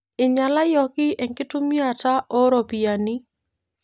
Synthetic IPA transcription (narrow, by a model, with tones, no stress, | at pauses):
ɪ˨ɲa˨la˦jɔ˦kɪ˦ʔɛ˨ŋkɪ˦tʊ˦mi˦a˨ta˦ʔɔ˦ɾɔ˨pi˨ja˨nɪ˦